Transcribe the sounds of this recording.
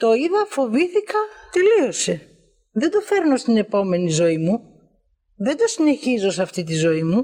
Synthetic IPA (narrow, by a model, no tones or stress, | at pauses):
t̪o̞iðɐfo̞viθikɐt̪e̞lio̞se̞ | ðe̞nd̪o̞fe̞ɾno̞st̪ine̞po̞me̞nizo̞imu | ðend̪o̞sine̞çizo̞sɐft̪it̪̬izo̞imu